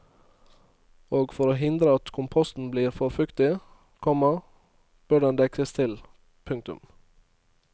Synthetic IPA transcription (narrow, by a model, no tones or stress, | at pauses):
oːɡfɔɾoːɦɪnd̪ɾəɑt̪kʰʊmpʰɔst̪n̩bliːɾfɔɾfʉkt̪ɪ | kʰɔmə | b̥œɖɛnd̪ɛkʰəst̪ʰɪl | pʰʉŋt̪ʉ̰m